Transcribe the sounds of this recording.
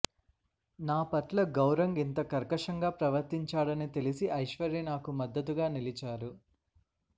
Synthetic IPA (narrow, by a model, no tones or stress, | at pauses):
naːpɐʈlɐɡɐwɾɐŋɡint̪ɐkɐɾkɐʂɐŋɡaːpɾɐʋɐɾt̪iɲt͡ʃaːɽɐnit̪e̞lisiʔɐjʃʋɐɾinaːkumɐd̪ːɐt̪uɡaːnilit͡ʃaːɾu